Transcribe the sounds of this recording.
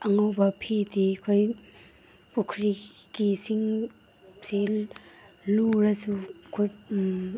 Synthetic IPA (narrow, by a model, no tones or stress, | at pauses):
ɐŋawbapʰedikʰoj | pukʰɾikisiŋ | sel | luɾasukʰoj